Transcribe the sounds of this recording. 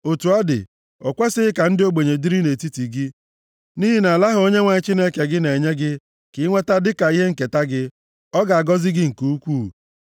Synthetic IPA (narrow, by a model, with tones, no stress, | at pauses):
o˨tu˨a˦dɪ̰˨ | ɔ˨kʷa˦sɪ˦ɪ˦ka˨n̩˦dɪ˦o˦ɡ͡be˨ɲe˨di˦ɾi˦ne˨ti˦ti˨ɡɪ˦ | ni˦ɦi˦na˨la˦ɦʊ˨o˦ɲe˦ŋʷa˨ɲɪ˦t͡ʃi˦ne˦ke˨ɡɪ˦ne˨ɲe˦ɡɪ˦ | kɪ˨˦ŋʷe˦ta˦dɪ˦ka˨i˦ɦe˦ŋ̩˨ke˨ta˦ɡɪ˦ | ɔ˦ɡa˨a˨ɡɔ˦zɪ˦ɡɪ˦ŋ̩˨ku˦u˦kʷuː˦˨